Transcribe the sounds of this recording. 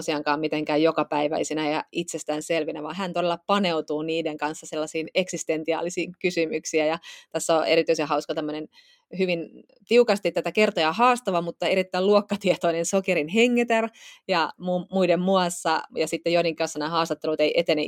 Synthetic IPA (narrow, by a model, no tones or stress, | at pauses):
siɑŋkɑːmmit̪eŋkæːjjokɑpæiʋæ̰isinæjɑʔit̪sest̪æːnselʋinæʋɑːɦænt̪odelːɑpɑneut̪uːniːdeŋkɑnsːɑselːɑsiːneksist̪ent̪iɑ̰ːlisiːŋkysymyksiæjɑt̪æsːoʔeɾit̪yisehɑuskɑt̪æmːønen | hyʋin | t̪iukɑst̪it̪æt̪ækert̪ojɑhɑːst̪ɑʋɑmut̪ːɑeɾit̪ːæiluokːɑt̪iet̪oinensokeɾinɦeŋːet̪erjɑmuːmuidemmuɑsːɑjɑsit̪ːejoiniŋkɑnsːɑnæːhɑːst̪ɑt̪ːelut̪eiʔet̪ene